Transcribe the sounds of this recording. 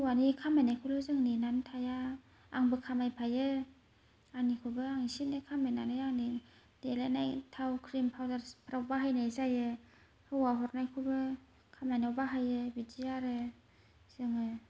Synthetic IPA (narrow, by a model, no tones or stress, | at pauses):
ɯwanikʰamanajkʰulɯzɯŋninantʰaja | aŋbɯkʰamajpʰajɯ | anikʰɯbɯaŋisinɯkʰamenanɯjaŋni | d̥elenajtʰawkʰɾimpʰawdaɾpʰɾawbaɦajnajzajɯ | hɯwaɦɔɾnajkʰɯbɯ | kʰamajnawbaɦajɯbidijaɾɯ | z̥ɯŋɯ